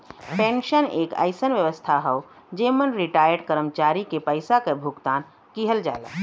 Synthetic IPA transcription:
pẽnʃəneːkə̰ɪsənʋjəʋəst̪ʰaɦəo | d͡ʒeːmənɾiʈaːjəɾɖkəɾəmt͡ʃaɾikepəɪsakebʱuɡt̪aːn | kiɦəld͡ʒa̰ːla̰ː

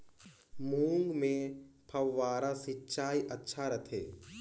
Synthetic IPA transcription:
muːŋɡmẽpʰɐwːaːɾasitːt͡ʃaːiʔɐtːʃʰaɾɐt̪ʰḛː

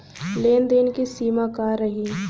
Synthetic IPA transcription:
leːnd̪eːnkisiːmakaːɾəɦiː

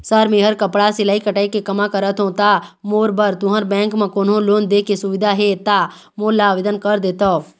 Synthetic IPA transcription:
səɾmẽɦəɾkəpɽasɪlaːikəʈaːikekəmakəɾət̪ʰɦõt̪amoːɾbəɾt̪ʊɦə̃ɾbɛ̃ːŋkmãkoːnɦõloːnd̪eːkesʊʋɪd̪ʱaɦet̪a | moːlaːʋed̪ənkəɾd̪eːt̪ɔː

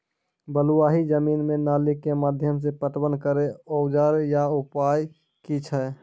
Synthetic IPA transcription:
bəluaɦid͡ʒəminmenalikːemad̪ʱjəms̬epəʈbənkəɾeoʊd͡ʒaɾjaupaj | kit͡ʃʰə

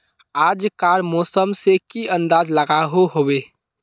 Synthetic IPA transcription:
aːd͡ʒkaːɾmɔːsəmsekiə̃nd̪aːzləɡaɦoɦobeː

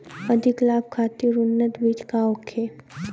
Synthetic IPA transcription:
ɐd̪ʱɪklaːb̚kʰaːt̪iɾʊnːət̪biːt͡ʃkaoːkʰːe

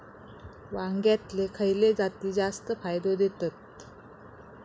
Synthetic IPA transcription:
ʋaŋɡjat̪lekʰəjled͡zat̪iːd͡zast̪əfajd̪od̪et̪at̪̚

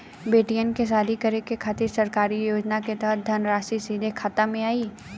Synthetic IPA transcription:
beːʈijənkes̬aːd̪ʱikɐɾekekʰaːt̪ɪɾsɐɾkaːɾijoːd͡ʒnaket̪ɛɦət̪̚d̪ʱɐnɾaːʃisiːd̪ʱekʰaːt̪amẽaːiː

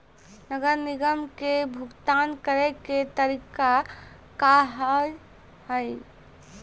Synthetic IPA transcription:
nəɡəɾniɡəmkebʱuɡt̪ankəɾeket̪əɾika | kaɦəj | həj

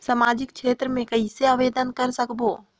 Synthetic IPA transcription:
sɐmaːd͡ʒɪk̚ʃʰeːt̪ɾəmẽkɐiseaʋeːd̪ənkɐɾsɐkʰboː

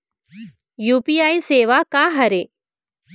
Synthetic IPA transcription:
juːpiːaːiseːʋakaːɦɐɾeː

